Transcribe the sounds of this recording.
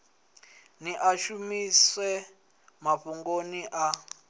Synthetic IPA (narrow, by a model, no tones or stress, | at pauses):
niʔaʃumisɛ | maɸuŋɡoniʔa